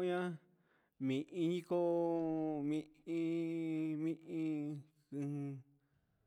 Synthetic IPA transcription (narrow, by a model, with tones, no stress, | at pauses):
ɲã˦ | mĩ˨ʔĩ˧ɲĩ˦ko˦ | mĩ˧ĩ˧ | mĩ˦ʔĩ˧ | kɨ̃˧hɨ̃˧